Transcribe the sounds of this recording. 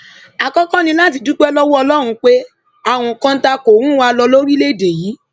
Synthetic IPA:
a˨kɔ˦kã˦nĩ˧la˦t̬i˧du˦k͡pɛ˦lɔ˦wɔ˦ɔ˧lɔ˦ɾ̃ũ˧k͡pe˦ | a˦˨w̃ɔ̃˨kã˧n̩˦ta˧ko˨ɾũ˦wa˧lɔ˧lo˦ɾi˦le˦i˦˨de˨ji˨˦

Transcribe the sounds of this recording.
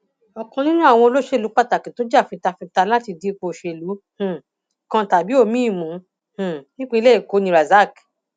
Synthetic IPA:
ɔ˧kɔ̃˧nĩ˦nũ˦a˦˨w̃ɔ̃˧o˧lo˦ʃe˦˨u˨˦k͡pa˦˨ta˨kĩ˨to˦d͡ʒa˦˨fi˧ta˧fĩ˧ta˧la˦ti˧di˨˦˧k͡po˧˨ʃe˧˨lu˨˦ | h̩˨ | kã˧ta˨bi˨˦o˦˨mĩ˦i˦˨mũ˨˦ | h̩˨nĩ˦k͡pã˦˧i˧le˦i˦˨ko˨˧˦nĩ˧ɾa˨za˦˨k

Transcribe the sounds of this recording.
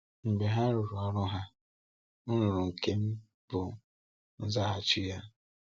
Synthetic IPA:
ŋ͡m̩˨ɡ͡be˨ɦa˦ɾʊ˨ɾʊ˨ɔ˨ɾʊ˦ɦa˦ | ʊ˦nʊ˨ɾʊ˨ŋ̩˨ke˦m̩˦ | b̥ʊ˨ | n̩˦za˦ɦa˨t͡ʃi˦ja˦

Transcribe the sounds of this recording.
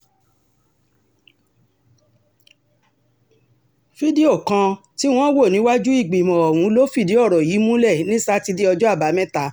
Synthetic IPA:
fi˦di˦o˦˨kã˧ | ti˦w̃ɔ̃˦wo˦˨nĩ˨˦wa˦d͡ʒu˦i˦˨ɡ͡bi˨mɔ̃˨ɔ˨wũ˨˦lo˦fi˦˨di˨˦ɔ˦˨ɾɔ˨jiː˨˦mũ˦lɛ˦˨nĩ˦sa˦ti˧di˦ɔ˧d͡ʒɔ˦a˦˨ba˨˦mɛ̃˦ta˧˦

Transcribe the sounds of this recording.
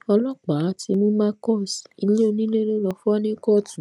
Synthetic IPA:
ɔ˧lɔ˦k͡pa˨˦ti˧mũ˦mãː˦kɔ˦˨si˨i˧le˦o˧nĩ˦le˦lo˦lɔ˧fɔ˦nĩ˦kɔ˦˨tũ˨˦

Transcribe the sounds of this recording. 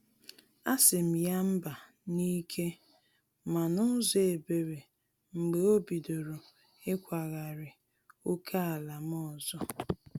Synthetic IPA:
a˦sɪ˨m̩˨ja˦m̩˦ba˨ | ni˦kʰe˦ | ma˨nʊ˦ze˨be˨ɾe˨ | ŋ͡m̩˨ɡ͡be˨o˦bi˨do˨ɾo˨ | ɪ˦kʷa˨ɣa˨ɾɪ˨ | o˦kʰa˦a˨la˨m˦ɔ˦˨zɔ˦

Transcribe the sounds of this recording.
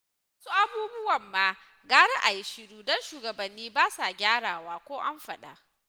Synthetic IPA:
wsu˦ʔa˦buː˦bʊ˦wɐ˨mːaː˦ | ɡaː˦ɽɛ˦ʔa˨jɪ˨ʃɪ˦ɽuː˦dɔ˦nʃuː˨ɡɐ˨bɐ˨nːiː˦baː˦sa˨ɡʲaː˦ɽaː˨waː˦kʷoː˦ʔa˦mɸɐ˨ɗa̰˨

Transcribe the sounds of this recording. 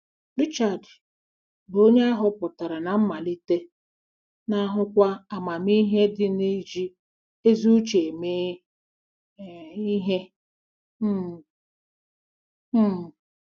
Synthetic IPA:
ɾi˦t͡ʃa˨d | bo˦ɲe˦a˦ɦʊ˦pʊ˨ta˨ɾa˨na˨m̩˦ma˨li˦te˦ | na˦ɦʊ˦kʷa˦a˨ma˨mi˦ɦe˦dɪ˦ni˦d͡ʒi˦ | e˦zu˦t͡ʃe˨meː˦˨ | i˦ɦe˦˨˦

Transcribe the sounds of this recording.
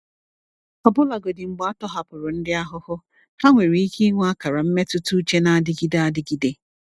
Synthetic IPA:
kɔ˨bʊ˦la˨ɡo˨dɪ˨ŋ͡m̩˨ɡ͡ba˦tɔ˦ɦa˨pʊ˨ɾʊ˨n̩˦dɪ˦a˦ɦʊ˦hʊ˦ | ha˦ŋʷe˨ɾi˨˦i˦ki˦ŋʷu˦a˦ka˨ɾa˨m̩˦me˦tʊ˦tu˦u˦t͡ʃe˦na˨a˨dɪ˦ɡi˦da˦a˦dɪ˦ɡi˦de˦

